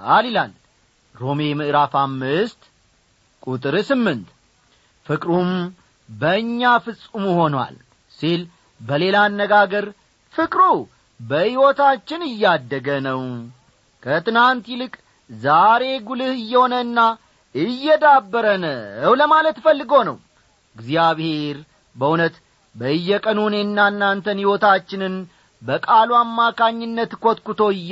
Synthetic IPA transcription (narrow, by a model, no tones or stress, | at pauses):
alilal | ɾomemɨʔɾafamːɨst̪ | kʼut̪ʼɨɾsɨmːɨnt̪ | fɨkʼɾum | bəɨɲːafɨsʼumuho̞nwa̰l | sil | bəle̞lanːəɡaɡəɾ | fɨkʼɾu | bəhiwot̪ʰat͡ʃːɪnɨjːad̪ːəɡənəw | kʰət̪ɨnant̪ilɨkʼ | zaɾe̞ɡulɨhɨjːɛho̞nəɨnːa | ɨjːɛd̪abːəɾənəwləmalət̪fəlːɨɡo̞nə̰w | ɨɡziaβhe̞ɾ | bəunət̪ | bəɨjːɛkʼənunenːanːant̪ʰənhɪwot̪at͡ʃːɪnɨn | bəkʼaluamːakʰaɲːɪnːət̪kʰot̪kut̪o̞